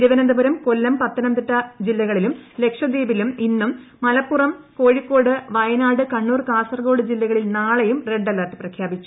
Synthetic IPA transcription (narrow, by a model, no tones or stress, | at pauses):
ɾuʋɐnɐnd̪ɐbuɾɐmko̞lːɐmpɐt̪ːɐnɐmd̪iʈːɐd͡ʑilːɐɣɐɭilumle̞kʂɐd̪iːbiluminːumː | ɐlɐpːurɐmko̞ːɻikːo̞ːɽɨʋɐjɐnaːɽɨkɐɳːuːrkaːsɐrɡo̞ːɽɨd͡ʑilːɐɣɐɭilnaːɭejumre̞ɖːɐlːɐrʈːɨprɐkʰjaːbit͡ɕːu̥